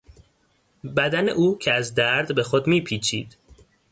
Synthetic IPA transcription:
bæd̪ænḛʔuːcʰeæzd̪æɾd̪be̞xo̞d̪miːpʰiːt͡ʃʰḭːd̪̥

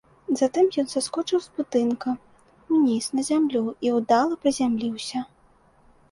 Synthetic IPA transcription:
zat̪ɨmjɔnsaskɔt͡ʂɨwzbud̪ɨnkɐ | unʲisnɐzʲamlʲuiwd̪alˠɐpɾɨzʲamlʲiwsʲɐ

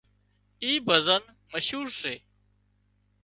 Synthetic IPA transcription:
iːbʱəzən | məʃɦuːɾseː

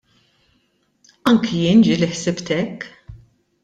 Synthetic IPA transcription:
ɐŋkʰijɪnd͡ʒiliħsɪpt̪ɛkː

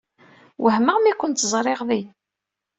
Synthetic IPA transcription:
wəhməʁmikʷːənt̪zˤɾˤeʁði

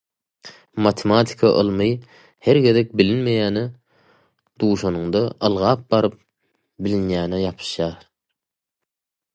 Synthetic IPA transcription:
mɑt̪ʰemɑt̪ʰi̥kʰɑʔɯ̰lˠmɯj | heɾɡe̞ðek̚bilinmejæːne | d̪̥uːʃonuŋd̪ɑʔɯlˠʁɑːp̚bɑɾɯp̚ | bilinjæːnejɑpʰɯ̥ʃjɑːɾ

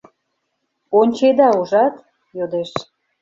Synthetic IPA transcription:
onʲt͡ɕed̪ɑuʒɑt̪ | jod̪eʃ

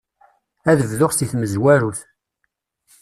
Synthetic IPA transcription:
æðəvðʊʁst̪iθməzwæɾuθ

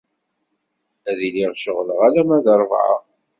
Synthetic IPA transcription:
æðiliʁʃəʁləʁælæmæðəɾˤvʕə̰

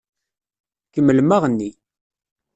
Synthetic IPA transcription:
kəmːəlmaʁənːi

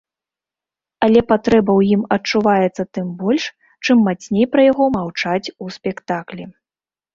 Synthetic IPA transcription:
ɐlʲɛpat̪ɾɛbɐwjimɐt͡ʂuvajɛt̪sːɐt̪ɨmbɔlʲʂ | t͡ʂɨmːat͡sʲnʲejpɾɐjaɣɔmawt͡ʂat͡sʲuspʲɛkt̪aklʲi

